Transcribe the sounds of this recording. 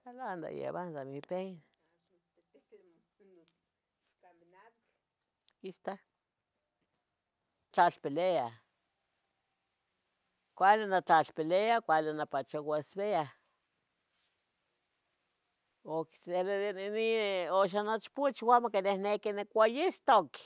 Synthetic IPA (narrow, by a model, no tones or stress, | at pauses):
aland̪a̰jḛβand̪amipen | iʃt̪a | t͡ɬat͡ɬpelea | kʷalinat͡ɬaɬpeleakʷalinapat͡ʃawaesβea | okselnioʃ̬anot͡ʃput͡ʃwamakenehnekinekʷajist̪ok